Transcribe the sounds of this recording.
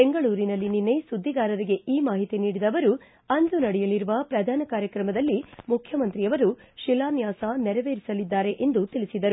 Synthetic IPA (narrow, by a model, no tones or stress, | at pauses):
be̞ŋɡɐɭuːɾinɐlːininːesud̪ʱːiɡaːɾɐɾiɡe̞iːmaːɦit̪iniːɽid̪ɐʋɐɾu | ɐnd̪unɐɽɛjɐliɾuʋɐpɾɐd̪ʱaːnɐkaːɾjɐkɾɐmɐd̪ɐlːimukʰjɐmɐnt̪ɾijɐʋɐɾuʃilaːnjaːsanɛɾɐʋeːɾisɐlid̪ːaːɾe̞ʔend̪ut̪iɭisid̪ɐɾu